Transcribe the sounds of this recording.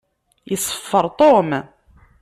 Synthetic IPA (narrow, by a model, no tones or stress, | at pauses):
jəsˤːə̥fːəɾˤt̪ˤom